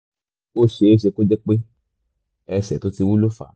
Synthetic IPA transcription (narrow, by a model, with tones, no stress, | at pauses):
o˦ʃe˧˦o˦ʃ̬e˧ko˦d͡ʒɛ˦k͡pe˦ | ɛ˧sɛ˨to˦ti˧wu˦lo˦fa̰˨